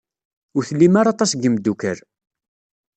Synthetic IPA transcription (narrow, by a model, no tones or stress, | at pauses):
ʊɾθəlːimaɾɑt̪ˤɑsɡəmd̪ːukəɾ